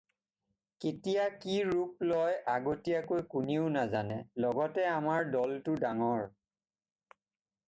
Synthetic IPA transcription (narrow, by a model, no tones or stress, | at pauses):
ketijakiɹup̚lɔjaɡotijakojkuniʊnazanɛlɔɡɔtɛamaɹdɔltʊdaŋɔɹ